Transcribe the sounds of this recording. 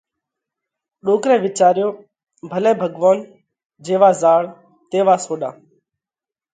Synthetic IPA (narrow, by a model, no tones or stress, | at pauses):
ɗoːkɾẽːʋɪt͡ʃaːɾjoː | bʱəlẽːbʱəɠʋoːn | d͡ʒeːʋaːzaːɭ | t̪eːʋaːsoːɗã̰ː